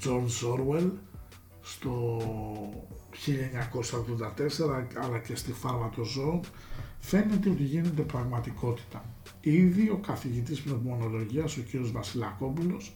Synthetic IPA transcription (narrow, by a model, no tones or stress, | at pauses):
d͡zo̞ɾo̞ɾwe̞l | st̪o̞ | çiʎɐeɲɐko̞sɐoɣðo̞nd̪ɐt̪e̞se̞ɾɐɐlɐce̞st̪ifɐɾmɐt̪o̞zo̞ŋ | fe̞net̪e̞o̞t̪iʝine̞t̪e̞pɾɐɣmɐt̪iko̞t̪i̥t̪ɐ | iðio̞kɐθiʝit̪̬ispnopumo̞no̞lo̞ʝiɐso̞ciɾio̞zvɐsilɐko̞pulo̞s